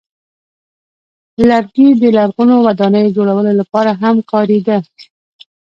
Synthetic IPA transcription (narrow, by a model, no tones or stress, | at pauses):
laɾɡid̪əlaɾɣunowad̪ɑnəjod͡ʒoɽawəlolapɑɾaɦamqɑɾed̪a